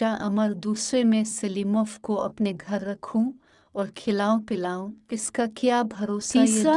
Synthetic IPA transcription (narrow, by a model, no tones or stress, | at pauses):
aʔɐməɾd̪uːsɾemẽsɐliːmɔːfkoɐpneɡʱɐɾːɐkʰũ | ɔːɾkʰɪlaːõpɪlaːõɪskakjaːbʱɐɾoːsiaːa